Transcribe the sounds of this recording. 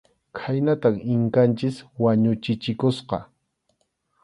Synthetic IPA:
kʰajnat̪aŋɪŋkant͡ʃɪswaɲʊt͡ʃɪt͡ʃɪkʊsqɑ̰

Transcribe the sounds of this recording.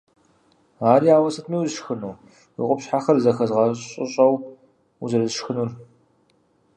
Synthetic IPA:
aːɾiaːwɐsɐtʰmiwzɨʃxɨnuː | ḭqʷʼʊpɕħaxɐrzɐxɐzʁɑɕʼɪ̰ɕʼɐw | uzɨrɨzʃxɨnur

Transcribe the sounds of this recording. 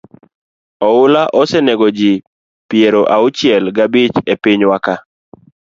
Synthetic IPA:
ɔʊlaʔɔsɛneɡɔd͡ʒi | pjeɾoʔaʊt͡ʃɪɛlɡabɪt͡ʃepɪɲwaka

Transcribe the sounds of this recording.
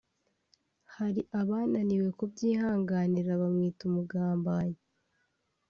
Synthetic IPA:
haɾiʔaβaːnaniwe̞kub̚ɟiːhaːŋɡaniɾaβamŋiːtumuɡaːmbaːɲi

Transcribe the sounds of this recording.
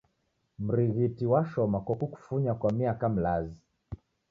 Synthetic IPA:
m̩ɾiɣitiwaʃɔmakwakuku̥fuɲakwamiakam̩lazi

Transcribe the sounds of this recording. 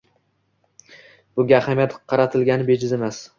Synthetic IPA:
b̥ʊɡʲahamjat̪qʰɑɾat̪ʰɪlɡʲanɪbed͡ʒɪzemas

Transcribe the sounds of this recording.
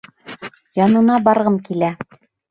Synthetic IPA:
jɑnɤ̆nɑbɑɾʁɤmkilæ

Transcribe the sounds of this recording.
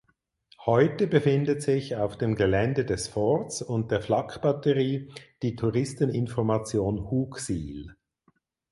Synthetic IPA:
hɔʏtəbəfɪndətz̥ɪçaʊfd̥eːmɡəlɛndədɛsfɔɐtsʊnt̚d̥eːɐflɑkb̥atəʁiːd̥iːtʰuʁɪstənɪnfɔɐmat͡sjoːnhuːksiːl

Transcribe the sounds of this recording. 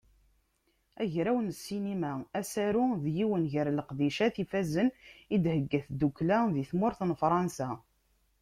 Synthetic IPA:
æʝɾæwnsːinimææsæɾʊðjiwənʝəɾləqd̪iʃæθifæzənid̪həɡːæθd̪uklæðiθmʊɾθnfɾˤɑnsæ

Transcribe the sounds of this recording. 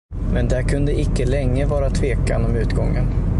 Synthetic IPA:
mɛnd̪ɛæɾkʰɵnd̪əɪkːəlɛŋːəvɑːɾat̪ʰveːka̰nɔmʉ̟ːt̪ɡɔŋːən

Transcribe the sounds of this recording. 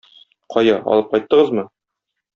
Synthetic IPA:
qʰɒjɑɒ̰lˠɤp̚qɒjt̪ːɤ̆ʁɤzmɤ

